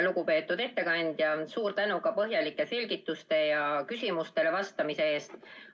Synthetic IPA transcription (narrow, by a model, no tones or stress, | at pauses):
luɡupe̞ːt̪ːˑud̪̥e̞t̪ːe̞kɑnʲd̪̥jɑsuːɾt̪ænukɑpɤɦjɑlikːˑe̞se̞lʲɡit̪ːˑust̪e̞jɑkysʲimust̪e̞le̞vɑst̪ɑmise̞e̞ːst̪